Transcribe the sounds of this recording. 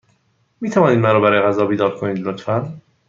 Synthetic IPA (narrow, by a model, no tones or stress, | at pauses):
miːt̪ʰævɒːniːd̪mænɾɔːbæɾɒːjeɣæzɒːbiːd̪ɒːɾkʰoniːd̪lot̪fæn